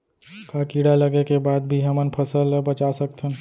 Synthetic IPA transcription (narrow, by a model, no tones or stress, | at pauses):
kakiɽaləɡekebad̪̚bʱiɦəmənpʰəsəlbət͡ʃasəkt̪ʰən